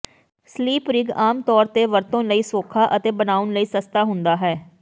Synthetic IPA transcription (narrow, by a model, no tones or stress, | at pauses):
sliːpɾɪɡaːmt̪ɔːɾt̪eːʋəɾt̪õːnləiːsoːkʰaːʔət̪eːbənaːʊnləiːsəst̪aːɦʊnd̪aːɦɛː